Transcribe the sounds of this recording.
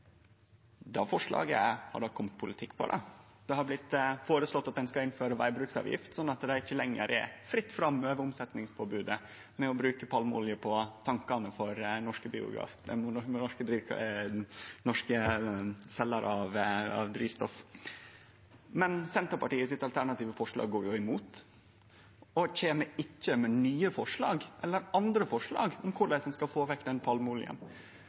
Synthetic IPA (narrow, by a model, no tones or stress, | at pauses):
d̪ɑːfɔʂɭɑ̰ːɡə̰hɑ̰ɖɔkʰːɔmt̪̚pʰʊlɪt̪ʰɪkːpʰɔ̰d̪ɑ̰ | d̪̥ɛhɑɾblɪt̪ːfoːɾəslɔt̪ːɑt̪̚d̪ɛnskɑɪnføːɾəʋæ̰ɪbɾʉːksɑ̰ːʋjɪ̰ft̪sɔnːɑt̪d̪ɛɪçːəlɛŋːə̰ɾʔɛ̰ɾfɾɪt̪ːfɾɑmøːʋəʊmsɛt̪nɪŋspʰoːbʉːd̪ə | mɛɔbɾʉːkəpʰɑlmʊ̰ljəpʰɔt̪ʰɑŋkɑnəfɔɾnɔʂkəbḭːʊ̰ɡɾɑ̰ːfd̪ɛmɔɔnɔʂkəd̪ɾiːʋ | nɔʂkə | sɛlːɑɾʔɑʋɑ̰ʋd̪ɾiːst̪ɔf | mɛnsɛnt̪əɾpɑʈiːəsɪt̪ɑlt̪ʰæɳɑt̪iːʋəfɔʂlɑ̰ːɡɡoːɾjʊɪmuːt̪ | ɔçeːməɾɪçːəmɛnyːəfɔʂɭɑːɡʔɛlːəɾɑnd̪ɾəfɔʂɭɑ̰ːɡɔmkʰʊɖ̪æɪsɔmskɑfoːʋɛkd̪ɛnpʰɑlmʊlɪ̰ə̰n